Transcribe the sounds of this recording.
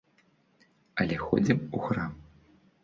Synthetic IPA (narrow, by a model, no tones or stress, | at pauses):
ɐlʲɛxɔ̰d͡zʲimuxram